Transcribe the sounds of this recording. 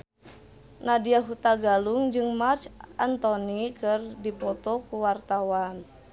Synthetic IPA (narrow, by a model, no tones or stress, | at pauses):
nadiaɦut̪aɡaluŋd͡ʒɨŋmart͡ʃʔant̪ɔnikɨrdipɔt̪ɔkuwart̪awan